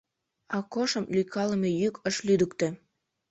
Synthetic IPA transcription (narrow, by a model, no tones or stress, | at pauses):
ɑkoʃəmlyjkʰɑləmejykəʃlyd̪əkt̪ĕ